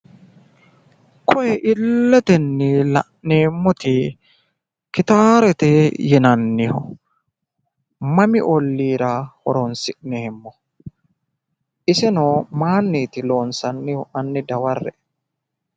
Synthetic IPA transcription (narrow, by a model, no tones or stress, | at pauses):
kʰɔʔɛʔɪlːɛt̪ɛnːɪlɐ̰ʔneːmːɔt̪ɪ | kɪt̪aːɾɛt̪ɛjɪnɐnːɪhʊ̰ | mɐmɪʔɔlːiːɾahɔ̰ɾɔnsɪʔnɛhɛmːɔ | ʔɪsɛnoːmaːnːiːt̪ɪlo̞ːnsɐnːɪhɔʔɐnːɪd̪ɐwɐrːɛ̰